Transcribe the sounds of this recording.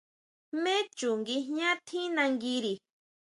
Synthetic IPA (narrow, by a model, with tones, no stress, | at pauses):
me˦t͡ʃʊ˨ŋɡi˦ɲa˦t̪ʰi˦na˧ŋɡiɾi˨